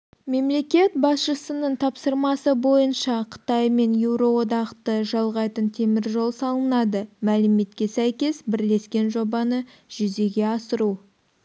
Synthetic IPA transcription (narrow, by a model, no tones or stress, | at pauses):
me̞mle̞kʲe̞t̪bɑsʃəsənəɴt̪ʰɑpsəɾmɑsəbo̞jənʃɑqʰə̥t̪ɑjme̞njuwɾo̞wo̞d̪ɑqt̪əʒɑlˠʁɑjt̪ənt̪ʰe̞mɪɾʒo̞lˠsɑlˠənɑd̪əmælɪme̞t̪̚kʲe̞sæjkʲe̞sbɪɾle̞skʲe̞nʒo̞bɑnə | ʒ̥ʏze̞ɡʲe̞ɑsəɾu